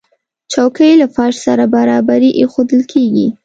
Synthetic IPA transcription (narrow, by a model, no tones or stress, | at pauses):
t͡ʃɑwkəjlafɑʃsaɾabaɾɑbaɾiʔexod̪əlkʰeɡi